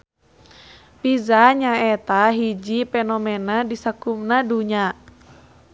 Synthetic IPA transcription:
pizaɲaɛt̪aɦid͡ʒipɛnɔmɛnadisəkumnaduɲa

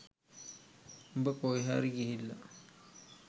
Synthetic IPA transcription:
mbəkoiɦaːɾiɡiɦilːa

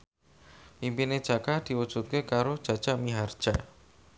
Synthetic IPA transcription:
impined̥ʒ̥a̤kad̪̥i̤wud̥ʒ̥ṳt̪̚kekaɾod̥ʒ̥ä̤d̥ʒ̥amiɦard̥ʒ̥a

